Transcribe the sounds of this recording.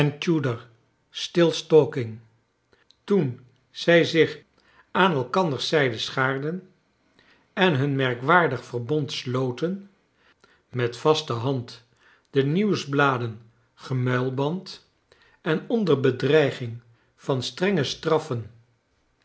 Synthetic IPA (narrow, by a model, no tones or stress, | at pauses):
ɛnt͡ʃudəɹ | stɪlˠstoːkɪŋ | tun | z̥ɛjzɪχ | aːnɛlˠkɑndəɹsɛjdəsχaːɹdən | ɛnɦɵnmɛɹkʋaːɹdəχfərbɔntslowtən | mɛtfɑstəɦɑnt | d̥əniwzblaːdən | χəmœlˠbɑnt | ɛnɔndəɹbədrɛjχɪŋ | v̥ɑnstrɛŋəstrɑfən